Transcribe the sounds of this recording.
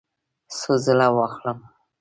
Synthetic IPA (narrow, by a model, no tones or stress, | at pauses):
suzəlawaxləm